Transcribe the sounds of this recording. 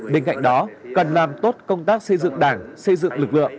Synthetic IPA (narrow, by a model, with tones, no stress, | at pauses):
ɓe˧nka̰˧˨jŋ̟ɗɔ˨˦kə˨˩nlaː˨˩mt̪o˦˥t̚kə˧wŋ͡mt̪aː˦˥k̚sə˧jzɨ̰˧˨ŋɗaː˧˩ŋsə˧jzɨ̰˧˨ŋlɨ˨˩k̚lɨ̰˧˨əŋ